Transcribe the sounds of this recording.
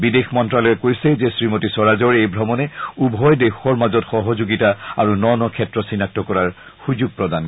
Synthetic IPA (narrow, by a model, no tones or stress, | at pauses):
bidexmɔntɹalɔjɛkojsɛzesɹimotisɔɹazɔɹejbʱɹɔmɔnɛubʱɔjdexɔɹmazɔtxɔɦɔzoɡitaaɹunɔnɔkʰɛtɹɔsinak̚tɹɔkɔɹaɹ | xuzuɡ̚pɹɔdan